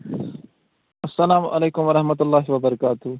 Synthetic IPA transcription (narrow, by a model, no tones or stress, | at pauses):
ɐsːɐlaːmʔɐleːkʊmʋɐɾɐhmɐt̪̬ʊlːaːɦiwɐbɐɾɐkaːt̪ʊ